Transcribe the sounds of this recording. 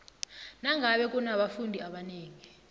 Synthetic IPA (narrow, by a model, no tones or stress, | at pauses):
naŋʱaɓɛk̬ʼunaɓafundʱiaɓaneːŋi